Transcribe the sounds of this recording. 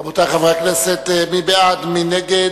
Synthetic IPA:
bot̪aχavaʁakneset̪mibead̪mineɡe

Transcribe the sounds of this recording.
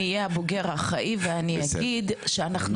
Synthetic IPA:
ijeaboɡe̞ʁaχaʔiveaniaɡid̪ʃeanaχnu

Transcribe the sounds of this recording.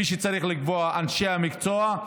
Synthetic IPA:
iʃ̬et͡saɾiχlikvoaʔanʃeamikt͡soa

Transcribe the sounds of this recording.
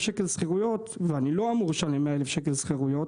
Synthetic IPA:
ʃekelsχeʁujo̞t̪veaniloamuʁʃanimeaelefʃek̬elsχeʁujo̞t

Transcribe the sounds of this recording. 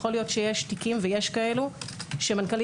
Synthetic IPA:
xo̞lijo̞tʃejeʃtikimveje̞ʃkae̞luʃemankali

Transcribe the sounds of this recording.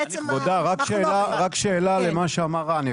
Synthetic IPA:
vod̪aʁakʃeːlaʁakʃeːlalemaʃeamaʁaːni

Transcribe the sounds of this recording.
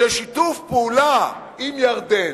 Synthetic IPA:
eʃit̪ufpeula | imjaʁd̪e

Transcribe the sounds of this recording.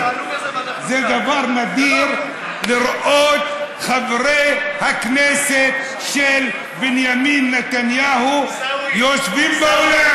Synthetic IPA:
zed̪avaɾnad̪iɾ | liɾʔot̪ | χavɾejhakneset̪ | ʃel | binjaminːet̪anjahujoʃvimbaola

